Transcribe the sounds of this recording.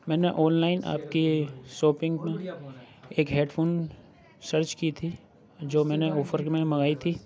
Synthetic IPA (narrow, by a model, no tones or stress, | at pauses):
mɛ̃ːneʔɔ̃ːnlaːɪnʔa̰ːp̚kesoːpɪ̃ŋɡmẽ | eːkɦeːɖpʰoːn | səɾt͡ʃkit̪ʰi | d͡ʒoːmɛ̃ːneɔːfʰəɾmẽmɐɡaːit̪ʰiː